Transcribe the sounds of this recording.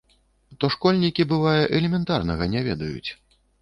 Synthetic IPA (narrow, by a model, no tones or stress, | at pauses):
t̪ɔʂkɔlʲnʲikʲibɨvajɛʔɛlʲɛmʲɛnt̪arnɐɣɐnʲɛvʲɛd̪ɐjṵt͡sʲ